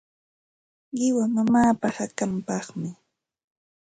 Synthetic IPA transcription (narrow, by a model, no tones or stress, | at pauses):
ɢɪwanʊmaːpahakampɑχmɪ